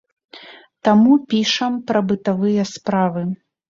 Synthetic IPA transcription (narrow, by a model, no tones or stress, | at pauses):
t̪amupʲiʂɐmpɾɐbɨt̪avɨjɐspɾavɨ